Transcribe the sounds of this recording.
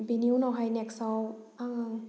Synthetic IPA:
biniwnɔwɦajnɛksɔw | aŋaŋ

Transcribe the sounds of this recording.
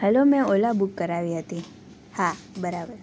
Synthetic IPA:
həlomɛ̃olabukːəɾaʋiɦət̪i | ha | bəɾabəɾ

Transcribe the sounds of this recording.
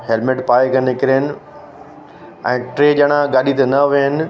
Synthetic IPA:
ɦelmeʈpaːekɐnnɪkɪɾenɪ̆ | ɛ̰̃ːʈɾeːd͡ʑɐɽ̃ãɡaːɗit̪enɐʋiənɪ̆

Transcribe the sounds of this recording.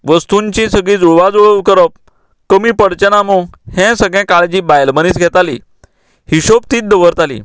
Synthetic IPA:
ʋəst̪ũɲt͡ɕĩsəɡɭĩd͡zuɭʋad͡zuɭəʋkəɾəp̚ | kəmiːpəɽt͡ɕənamohɛ̃səɡɭɛ̃kaɭd͡ʑiːbajlməniːsɡʱɛt̪ali | hiɕop̚t̪iːt̪̚d̪əʋəɾt̪alḭː

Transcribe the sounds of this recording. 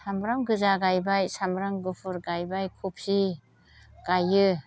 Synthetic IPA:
samɾaŋɡɯzaɡajbajsamɾaŋɡɯpʰɯɾɡajbajkʰup̚ʰsi | ɡ̥ajɯ

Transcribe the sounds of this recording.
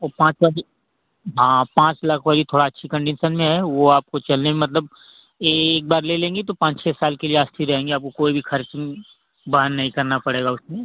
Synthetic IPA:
ɔːpãːt͡ʃwaɾi | ɦãːpãːt͡ʃlakʰʋaːɾit̪ʰoːɽaɐtːʃʰikɐ̃ɳɖɪnʃənmẽɦɛʋoaːp̚kot͡ʃɐlnemɐt̪ləb̚ | eːk̚baːɾlelẽːŋɡet̪opãːt͡ʃt͡ʃʰɛːsaːlkelieaːst̪ʰiɾɐɦẽːŋɡeaːp̚kokoːibʱixʰɐɾt͡ʃɪ̃ŋ | baːənːɐɦĩkɐɾnapɐɽeːɡaʊsmẽ

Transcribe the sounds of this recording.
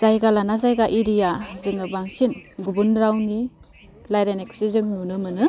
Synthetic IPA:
z̥ajɡalanazajɡaʔiɾijazɯŋɯbaŋsinɡubunɾawni | lajɾeneksizɯŋnunɯmɯnɯ

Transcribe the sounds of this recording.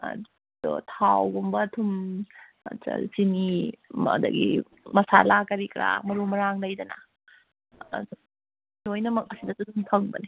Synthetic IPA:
o̰tʰawɡumbɐtʰum̰ | t͡ʃa̰sinima̰d̪ɐ̰ɡḭ | mɐsa̰lakɐɾikɾa̰mɐɾumɐɾaŋlɐjdɐnɐ̰ | lojnɐmɐk̚ɐsidɐsutʰumpʰɐŋbɐ̰ni

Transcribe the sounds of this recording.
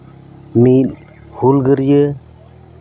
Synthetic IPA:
mit̚ | hulɡəɾjə

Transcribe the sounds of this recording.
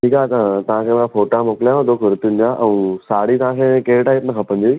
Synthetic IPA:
ʈʰiːkat̪ɐãt̪ɐʋ̤ãkʰeːmãfoːʈãmoːkɪlijãõd̪okʊɾt̪ũnd̪ijãʔɛ̃ũsaːɽit̪ɐʋ̤ãkʰekeːʈaːit̪nɐkʰɐpə̃n̆d̪i

